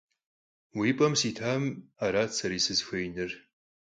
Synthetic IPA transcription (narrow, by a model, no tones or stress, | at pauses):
wiːpʼɐmsiːtʰaːmaɾaːt͡sʰɐɾiːsɨzxʷejnɨr